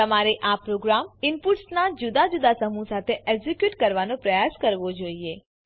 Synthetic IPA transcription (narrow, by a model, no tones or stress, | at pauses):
əmaɾeʔapɾoɡɾamɪnpuʈsnad͡ʒud̪ad͡ʒud̪asəmũsat̪ʰeʔɛɡzikjuʈkəɾʋanõpɾəjaskəɾʋod͡ʒoie